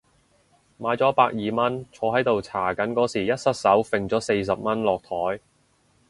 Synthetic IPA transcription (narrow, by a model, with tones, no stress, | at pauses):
maː˨˥jt͡sɔː˨˥paː˧k̚jiː˨mɐ˥nt͡sʰɔː˨˧ɦɐ˨˥jt̪o˨wt͡sʰaː˨˩kɐ˨˥nkɔː˨˥siː˨˩jɐ˥t̚sɐ˥t̚sɐ˨˥wfɪ˨ŋt͡sɔː˨˥se˧js̬ɐ˨p̚mɐ˥nlɔː˨k̚t̪ʰɔː˨˥j